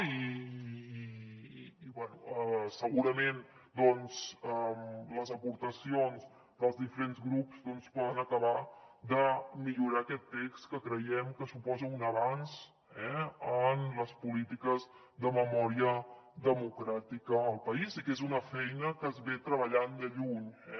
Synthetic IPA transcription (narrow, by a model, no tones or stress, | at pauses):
i | βwɛnuəsəɣuɾəmen | d̪ɔnzəmləzəpuɾt̪əsionz | d̪əlˠzðifəɾenzɣɾupzd̪ɔnspɔðənəkəβad̪əmiʎuɾaəkɛt̪ːekskəkɾəjɛmkəsupɔzəunəβans | ɛənləspulit̪ikəz | ðəməmɔɾiəðəmukɾat̪ikəːlˠpəizikezunəfɛjnəkəzβet̪ɾəβəʎand̪əʎuɲɛ